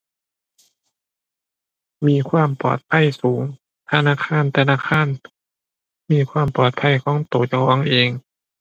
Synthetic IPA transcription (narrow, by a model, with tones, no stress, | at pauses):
miː˧˥˨kʰwaː˧˥˨mpɔ̰ː˨˩t̪̚pʰa˧˥˨jsuː˩˦ŋ | t̪ʰa˧naː˧˥˨kʰaː˧˥˨nt̪ʰa˧naː˧˥˨kʰaː˧˥˨n | miː˧˥˨kʰwaː˧˥˨mpɔː˨˩t̪̚pʰa˧˥˩jkʰɔː˦˥˦ŋt̪oː˨˩t͡ɕa˧kʰɔː˧˥˨ŋʔeː˧ŋ